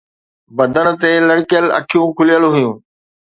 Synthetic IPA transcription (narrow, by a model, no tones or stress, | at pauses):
bɐ̃d̪əñʊ̆t̪elɐɽkjəlɐ̰kʰijũkʰʊlijəloɦʊjũː